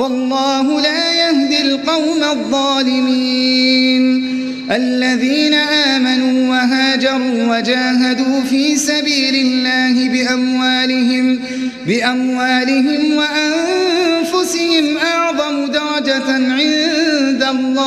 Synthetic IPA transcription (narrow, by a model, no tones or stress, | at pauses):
wɑlˤːɑːɦʊlaːjahd̪ɪlqɑwmaðˤːɑːlɪmiːn | ʔalːaðiːnaʔaːmanuːwaɦaːd͡ʒɑɾˤuːwad͡ʒaːɦad̪uːfiːsabiːlɪlːaːɦɪbɪʔamwaːlɪɦɪm | bɪʔamwaːlɪɦɪmwaʔanfʊsɪhɪmʔɑʕðˤɑmʊd̪ɑɾˤɑd͡ʒaʕɪnd̪alˤːɑː